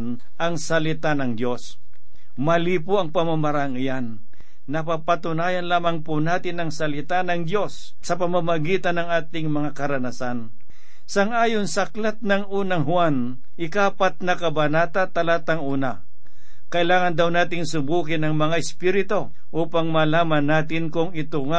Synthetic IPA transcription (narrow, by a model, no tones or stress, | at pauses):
n | ʔɐŋsɐlɪt̪anɐŋd̪jo̞s | mɐliːpʊɐŋpɐmamɐɾaŋɪjanː | ɐpapɐt̪ʊnaːjɐnlaːmaŋpʊnaːt̪ɪnɐŋsɐlɪt̪anɐŋd̪jo̞s | sɐpɐmamɐɡiːt̪anːɐŋaːt̪ɪŋmɐŋakɐɾɐnasan | sɐŋʔaːjonsɐklat̪̚nɐŋuːnɐŋhʊwan | ʔɪkaːpat̪̚nɐkɐbɐnaːt̪at̪ɐlat̪ɐŋuːna | kɐʔɪlaːŋɐnd̪awnaːt̪ɪŋsʊbuːkɪnɐŋmɐŋaʔɪspiɾɪt̪o̞ | ʔuːpaŋmɐlaːmanːaːt̪̬ɪnkʊŋɪt̪ʊŋa